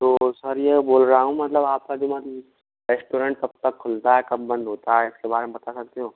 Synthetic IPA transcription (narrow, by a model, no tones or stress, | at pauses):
t̪oːsɐɾjeboːlɾaaːɦũmɐt̪ləbaːp̚kad͡ʒomat̪ | ɾesʈoːɾə̃ɳʈ̚t̪ɐb̚t̪ɐkʰːʊlt̪aɦɛkɐbːɐ̃nd̪ʱɦoːt̪aɦɛɪskebaːɾemepɐt̪asɐk̚t̪eɦõː